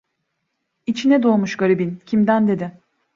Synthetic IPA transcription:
it͡ʃʰinɛd̪o̞ːmuʃɡaɾibincʰimd̪ænd̪e̞d̪ɪ

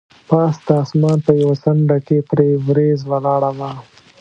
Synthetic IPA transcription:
pɑːsd̪ɑːsmɑːnpəjawasaɳɖakepɾevɾezwəlɑːɽəma

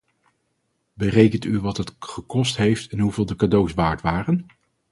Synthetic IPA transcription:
bərejkəntyʋɑtɦətχəkɔstɦejftɛnɦuvɪːlˠdəkadowsʋaːɹtʋaːrən

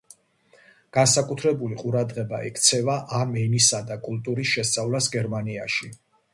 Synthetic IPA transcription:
ɡ̥ansakʼut̪ʰɾɛbuliqʼuɾad̪ʁɛba̰ɛ̰kʰt̪sʰɛvaʔamɛnisad̪akʼulˠt̪ʼuɾisʃɛst̪sʼavlasɡɛɾmania̰ʃi

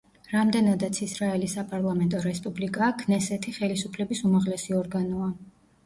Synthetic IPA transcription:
ɾamd̪ɛnad̪at̪sʰisɾaɛlisːapʼaɾlˠamɛnt̪ʼɔɾɛspʼublikʼaːkʰnɛsɛt̪ʰiχɛlisupʰlɛbisumaʁlɛsiɔɾɡanɔa

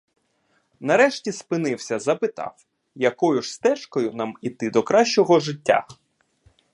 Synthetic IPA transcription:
nɐɾɛʃtʲispɪnɪwsʲɐzɐpɪt̪ɑ̰w | jɐkɔjʊʐst̪ɛʃkɔjʊnɑmit̪ɪd̪ɔkɾɑʃʲt͡ʃɔɦɔʒɪtʲːa̰

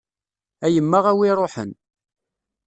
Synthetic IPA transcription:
æjəmːaʁæwiɾˤoħə̰n

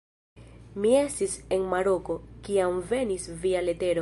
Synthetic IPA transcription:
mie̞stise̞nmaɾo̞ko̞kiamve̞nisviale̞te̞ɾo

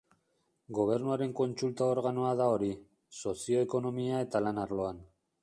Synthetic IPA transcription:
ɡo̞β̞e̞ɾnuaɾe̞ŋko̞nt͡sult̪ao̞ɾɣano̞aðao̞ɾi | so̞sio̞eko̞no̞miae̞t̪alanaɾlo̞an

